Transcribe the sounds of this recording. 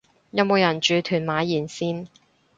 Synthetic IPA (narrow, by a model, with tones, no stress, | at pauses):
jɐ˨˧wmo˨˧wjɐ˨˩nt͡ʃyː˨˧t̪ʰyː˨˩nmaː˨˥jiː˨˩nsiː˥n